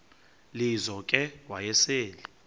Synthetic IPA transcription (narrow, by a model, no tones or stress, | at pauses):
lizɔkʼɛwajɛseːli